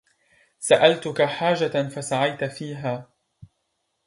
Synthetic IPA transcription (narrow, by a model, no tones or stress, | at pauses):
saʔalt̪ʊkaħaːd͡ʒafasaʕajt̪afiːɦaː